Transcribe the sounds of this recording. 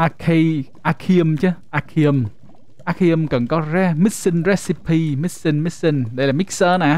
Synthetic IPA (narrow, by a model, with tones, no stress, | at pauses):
ʔaː˧kʰi˧ʔaː˧kʰi˧əmt͡ɕe˦ʔaː˧kʰi˧əm | ʔaː˧kʰi˧əmkə˨˩nkɔ˨˦rɛ˦˥mi˦˥t̚si˧nrɛ˧˥si˧pʰiː˧mi˦˥t̚si˧nmi˦˥t̚si˧nɗə˧jlaː˨˩mi˦˥k̚səː˧naː˨